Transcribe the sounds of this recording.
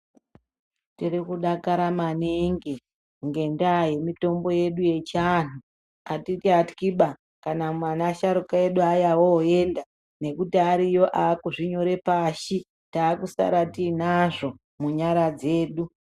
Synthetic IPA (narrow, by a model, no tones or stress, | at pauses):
tirikuɗakaɾamaniŋɡi | ŋɡe̞ndaje̞mito̞mbo̞je̞ɗuje̞t͡ʃaːn̤u | atitiati̥kiɓa | kanamwanaːʃaɾukaje̞ɗuajawoe̞nda | ne̞kutiaɾijo̞ʔaːkuʐiɲo̞ɾe̞paːʃi | taːkusa̰ɾatiːnaʐo̞ | muɲaɾad͡ze̞ːɗu